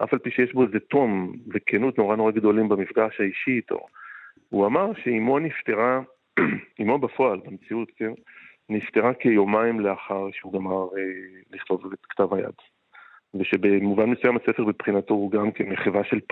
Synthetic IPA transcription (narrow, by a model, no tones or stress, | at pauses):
ʔa̰falpiʃejeʃbo̞zeto̞mvekʰenut̪no̞ʁanoʁaɡd̪o̞limbamifɡaʃhaiʃiːt̪o̰ | uamaʁʃeimonift̪e̞ʁa | imobafo̞albamet͡siut̪ken | nift̪eʁakejo̞maimleaχaʁʃeuɡamaʁeliχlo̞vetkt̪avaja̰d̥ | veʃebemuvanlesujamase̞feʁbepχinato̞uɡamkemeχivaʃe̞l